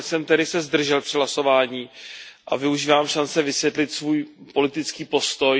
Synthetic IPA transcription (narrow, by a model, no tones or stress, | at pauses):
sɛmt̪ɛdɪsɛzd̪r̩ʒɛlpr̥ɪɦlaso̞vaːɲiːʔavɪuʒiːvaːmʃant͡sɛvɪsjɛt̪lɪt̪svuːjpo̞lɪt̪ɪt͡skiːpo̞st̪o̞j